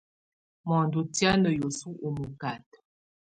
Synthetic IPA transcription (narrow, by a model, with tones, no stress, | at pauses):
mɔ˨ndu˨tja˦nə˨jo˨su˦ʔu˨mu˨ka˨t